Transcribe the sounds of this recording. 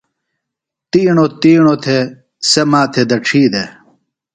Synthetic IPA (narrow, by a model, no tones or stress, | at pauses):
t̪iːɳot̪iːɳot̪ʰe | semaːt̪ʰed̪ɐʈ͡ʂʰiːd̪e